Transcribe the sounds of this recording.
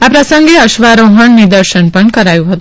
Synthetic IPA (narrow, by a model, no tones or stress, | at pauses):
apɾəsəŋɡeəʃʋaɾoɦəɳnid̪əɾʃənpəɳkəɾajũɦət̪u